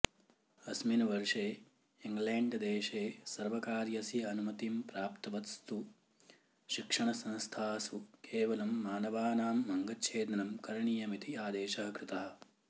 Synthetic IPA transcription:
ɐsminɐʋɐɾʂeː | iŋɡleːɳɖd̪eːʃeːsɐɾʋɐkaːɾjɐsiɐnumɐt̪impɾaːpt̪ɐʋɐt̪st̪u | ʃikʂɐɳɐsɐ̃nst̪ʰaːsukʰeːʋɐlɐmːaːnɐʋaːnaːmːɐŋɡɐtt͡ʃʰeːd̪ɐnɐmkɐɾɐɳijɐmit̪iaːd̪eːʃɐɦɐkɾɪt̪ɐɦɐ̆

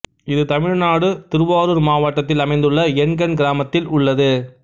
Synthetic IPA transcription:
ɪðɯt̪ɐmɪɻnaːɽɯt̪ɪɾɯʋaːɾɯɾmaːʋɐʈːɐt̪ːɪlɐmɐɪnd̪ɯɭːɐɛnɡɐnɡɪɾaːmɐt̪ːɪlʊɭːɐðɯ

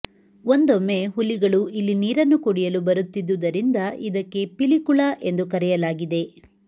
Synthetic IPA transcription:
ond̪omːe̞ɦulːiɡɐɭuʔilːiniːɾɐnːukoɽijɐlubɐɾut̪ːid̪ud̪ɐɾind̪ɐʔid̪ɐkːe̞pilikuɭaʔe̞nd̪ukɐɾɛjɐlaːɡid̪e̞

